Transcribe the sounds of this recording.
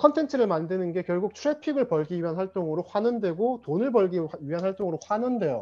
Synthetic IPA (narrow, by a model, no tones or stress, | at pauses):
kʰʌntʰe̞ntʰɯɾɯɭmandɯnɯnɡe̞kjʌɭɡuk̚t͡ɕʰuɾepʰiɡɯɭpʌɭɡiɥiɦanwaɭt͈oŋɯɾoɸwanɯnde̞ɡotonɯɭbʌɭɡiɥiɦanɦwaɭt͈oŋɯɾoɸwanɯnde̞jo̰